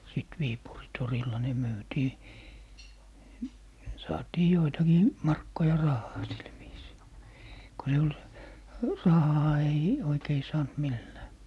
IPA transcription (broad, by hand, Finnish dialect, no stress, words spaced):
sit ʋiːpuri torilːɑ ne myːtiː sɑːtiː joitɑkiː mɑrkːojɑ rɑhːɑː sil ʋiːsiː ko se ol rɑhɑː ei oikei sɑːnt milːæː